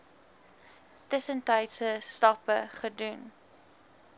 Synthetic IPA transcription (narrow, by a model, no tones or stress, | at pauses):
təsəntəjtsəstɑpəχədun